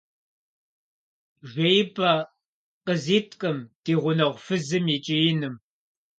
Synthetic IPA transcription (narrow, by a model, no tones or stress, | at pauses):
ʒʷejpʰʼɐ | qəziːtʰʼkʼɨmd̥iːʁʷʊnɐʁʷfɨzɨmit͡ʃʼijɪnɨm